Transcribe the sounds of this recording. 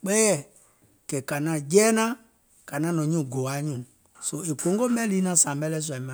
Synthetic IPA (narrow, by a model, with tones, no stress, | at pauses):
k͡pɛ˦jɛ˦˨ | kɛ˨ka˨nã˨d͡ʒɛː˦nã˦ | ka˨nã˦nɔ̃˨˦ɲũ˦˨ɡo˨a˨˦ɲũ˦˨ | so˧e˨kõ˨˦ŋ˦ɡo˦mɛ̃˦li˦nã˨˦sã˨mbɛ˦lɛ˦s̬u˨a˨i˦mã˨